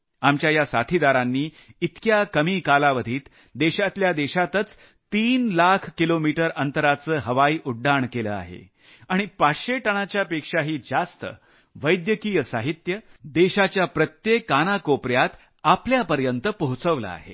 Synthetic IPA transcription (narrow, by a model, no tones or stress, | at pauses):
amt͡ɕjajasat̪ʰid̪aɾanːiː | it̪kjakəmiːkalaʋəd̪ʱiːt̪ | d̪eɕat̪ljad̪eɕat̪ət͡s | t̪iːnlakʰkilomiʈəɾənt̪əɾat͡səːɦəʋaiːʔuɖːaɳkelə̰a̰ɦḛ | aɽ̃ipaɕeʈəɽ̃at͡ɕjapekʂaɦiːd͡zast̪ə̰ | ʋəjd̪jəkijəsaɦit̪jəd̪eɕat͡ɕjapɾət̪jekːanakopɾjat̪ | apljapəɾjənt̪əpəɦut͡səʋlə̰a̰ɦḛ